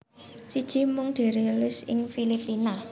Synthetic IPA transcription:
sid̥ʒ̥i̤mʊŋd̪̥e̤ɾelɪsɪ̰ŋfilipina

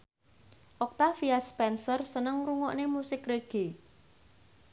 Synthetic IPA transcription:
ʔɔk̚t̪afiaspɛnsərsənəŋruŋɔʔnemusɪkɾeɡ̥e

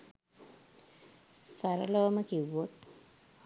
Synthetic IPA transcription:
sɐɾɐloːmɐkiʋot̪̚

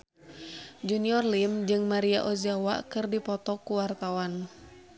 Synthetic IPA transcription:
d͡ʒuniɔrlimd͡ʒɨŋmaɾiaʔɔzawa̰kɨrdipɔt̪ɔkuwart̪awan

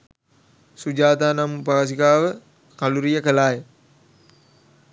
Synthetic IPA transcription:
sud͡ʒaːt̪aːnamupaʋas̬ikaːʋə | kaluɾijəkəlaːjə

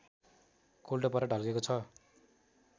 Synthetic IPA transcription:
kolʈopʌɾʌɖʱʌlɡekot͡sʰʌ

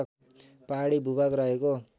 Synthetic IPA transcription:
paɽibʱubakɾaɦeko

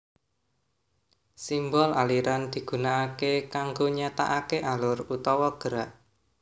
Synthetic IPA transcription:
simbɔlaliɾand̪̥i̤ɡ̥ṳnaːkekaŋɡoɲat̪a̰ʔakeʔalʊrut̪ɔwɔɡ̥əɾaʔ

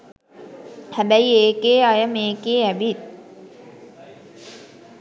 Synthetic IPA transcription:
hæbæjeːkeːajəmeːkeːæʋit̪̚

